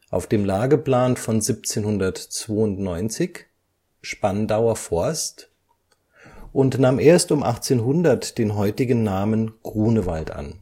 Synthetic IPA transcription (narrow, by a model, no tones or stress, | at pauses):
ʔaʊfd̥eːmlaːɡəpl̥aːnfɔnzip̚t͡seːnhʊndɐtt͡sv̥oːʊntnɔʏnt͡sɪç | ʃpandaʊɐfɔɐst | ʔʊntnaːmʔeːɐstʊmʔa̰χt͡seːnɦʊndɐtd̥eːnɦɔʏtɪɡn̩ːaːmənɡ̥ʁ̥uːnəva̰ltʔa̰n